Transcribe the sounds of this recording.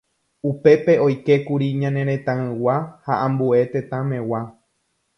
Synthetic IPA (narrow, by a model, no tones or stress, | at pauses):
upe̞pe̞o̞jke̞kuɾiɲãnẽ̞ɾẽ̞t̪ãɨ̃wahaʔãmbue̞t̪ẽt̪ãmẽ̞wa